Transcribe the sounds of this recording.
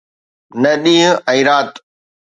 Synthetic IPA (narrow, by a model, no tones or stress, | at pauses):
nɐɗĩːɦɛ̃iːɾaːt̪